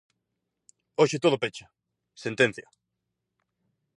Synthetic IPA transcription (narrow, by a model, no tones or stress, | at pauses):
oʃɪt̪oðʊpet͡ʃḁ | sent̪ẽn̟θja